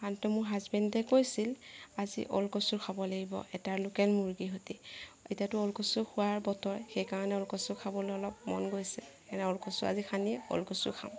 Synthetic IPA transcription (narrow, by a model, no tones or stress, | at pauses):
antumʊɹɦazbɛndɛkojsilazḭʔɔ̰lkɔsuɹkʰabɔleɡibɔ̰ɛtaɹlʊkɛlmuɹɡiɦotietiatʊɔlkɔsuxʰuaɹbɔtɔɹɛxejkaɹɔnɛɔlkɔsuɹkʰabɔlojɔlɔp̚mɔ̰nɡojsɛkanɛɔlkɔsuɹa̰zikʰaniɛɔ̰lkɔsṵɹkʰa̰ʊ̃